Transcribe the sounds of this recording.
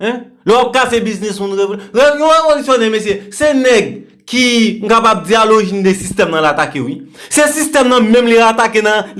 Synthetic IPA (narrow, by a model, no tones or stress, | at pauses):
ɛ̃ | lɛwap̚kasebiznismũnɣevolejɔ̃ɣevolisjonɛ̃mes̬jesenɛɡ̚ | kiŋ̩kapab̚d͡zialoʒin̩d̪esist̪ɛmnɐ̃laːt̪akewisesist̪ɛmnɐ̃mɛ̃mliat̪akenɐ̃